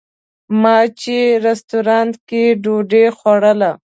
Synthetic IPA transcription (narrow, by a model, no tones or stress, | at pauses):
mɑt͡ʃeɾɪst̪uɾɑnt̪keɖoɖexwaɽəla